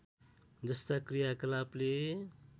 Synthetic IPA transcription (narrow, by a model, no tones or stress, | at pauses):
d͡zʌst̪akrijakʌlable